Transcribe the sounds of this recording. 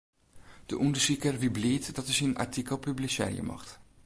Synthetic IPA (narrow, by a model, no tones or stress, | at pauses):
d̥əʔundəɹsikərʋibliːtdɑtəsina̰ɹtikəlˠpyblisɛ̰ːɹj̰ə̰mɑ̰χt